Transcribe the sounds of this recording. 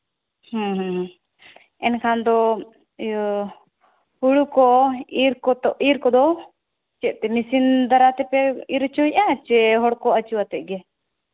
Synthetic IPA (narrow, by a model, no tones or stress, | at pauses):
hə̃ɦə̃ɦ | ɛnkʰand̪ɔ | huɽukɔiɾkɔt̪ɔʔiɾkɔd̪ɔ | t͡ʃɛʔ̚t̪ɛmisind̪aɾat̪ɛpɛiɾt͡ʃɔjʔat͡ʃɛɦɔɽkɔət͡ʃuwat̪ɛʔ̚ɡɛ